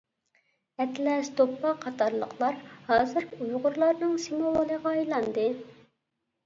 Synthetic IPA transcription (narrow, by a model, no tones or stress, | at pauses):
ɛt̪lɛst̪opːɑqʰɑt̪ʰɑɾlˠə̰qʰlˠɑɾhɑːzɨɾkʲiujʁʊɾlˠɑɾnɨŋsimowolˠəʁɑɑjlˠɑnd̪ɨ